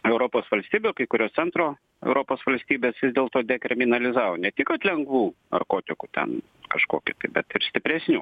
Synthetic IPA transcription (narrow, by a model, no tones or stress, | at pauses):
ɛʊɾoːpoːsʋɐlʲsʲt̪ʲiːbʲuːkɐɪkʊɾʲoːst̪sʲɛnt̪ɾoː | ɛ̰ʊɾoːpoːsʋɐlʲsʲt̪ʲiːbʲeːsʋʲɪzd̪ʲeːlˠt̪oːd̪ʲɛkɾʲɪmʲɪnɐlʲɪzɑːʋoːnʲɛt̪ʲɪkɐt̪ʲlʲɛŋɡʋuːnɐ̰rkoːt̪ʲɪkut̪ʲɛ̰n | kɐʃkoːkʲɪt̪ɐɪbʲɛt̪ɪɾsʲt̪ʲɪpʲɾʲɛsʲnʲuː